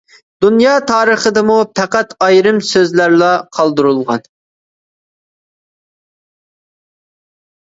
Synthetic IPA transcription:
d̪̥unjɑːt̪ʰɑːɾəχəd̪ɨmupʰæqæt̪ɑjɾɨmsøzlæɾlˠɑqʰɑlˠd̪ɨɾulˠʁɑ̰n

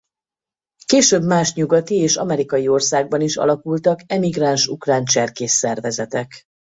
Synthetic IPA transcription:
keːʃøːbmaːʃɲuɡɒt̪ieːʃɒmɛɾikɒjio̞rsaːɡ̚bɒniʃɒ̰lɒkult̪ɒkɛmiɡraːnʃukraːnt͡ʃɛrkeːsːɛrvɛzɛt̪ɛk

